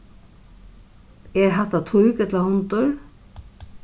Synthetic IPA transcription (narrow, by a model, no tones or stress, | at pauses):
ɛɹɦaht̪at̪ʰujkɛt̪lahʊnt̪ʊɹ